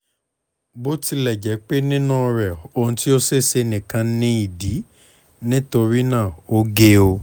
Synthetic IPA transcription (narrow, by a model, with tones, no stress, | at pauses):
bo˦ti˧˦lɛ˦˨d͡ʒɛ˨˦k͡pe˦nĩ˦nũ˦ɔ˧ɾɛ˨o˧ñ̩˧ti˦o˦se˦˨se˧nĩ˨kã˧nĩ˦i˦˨di˨˦ | nĩ˦to˧ɾi˦nã˦˨o˦ɡe˦o˧